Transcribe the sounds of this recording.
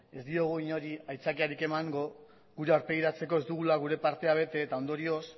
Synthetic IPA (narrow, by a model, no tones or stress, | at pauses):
e̞zd̪io̞ɣ̞uiɲo̞ɾiajt͡sakiaɾike̞maŋɡo̞ | ɣuɾe̞aɾpe̞ɣiɾat͡se̞ko̞e̞zd̪uɣ̞ulaɣ̞uɾe̞paɾt̪e̞aβ̞e̞t̪e̞ːt̪ao̞nd̪o̞ɾio̞s